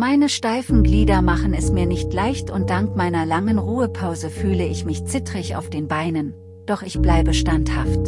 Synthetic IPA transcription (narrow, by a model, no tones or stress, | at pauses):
maɪnəʃtaɪfn̩ɡliːdɐmaχn̩ɛsmiːɐnɪçtlaɪçtʰʊnt̚d̥aŋkmaɪnɐlaŋənʁuːəpʰaʊzəfyːləɪçmɪçt͡sɪtʁ̥ɪça̰ʊfd̥eːnbaɪnən | d̥ɔχɪçb̥laɪbəʃtanthaft